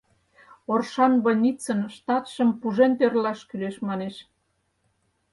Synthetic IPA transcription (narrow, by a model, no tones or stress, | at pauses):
orʃɑnβənʲit͡sənʃt̪ɑt̪ʃə̆mpuʒent̪erlɑʃkyleʃmɑneʃ